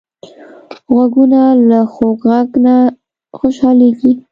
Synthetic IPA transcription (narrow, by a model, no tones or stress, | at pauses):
ɣwaɡunalaxokɣaɡna | xoʃɑleɡi